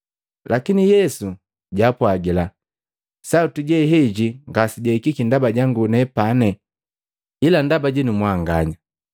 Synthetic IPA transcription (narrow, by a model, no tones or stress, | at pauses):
lakinijɛsu | ɟapwaɡila | sautuɟɛɦɛɟiŋɡasiɟɛkikindabaɟaŋɡunɛpanɛ | ilandabaɟinumwaŋɡaɲa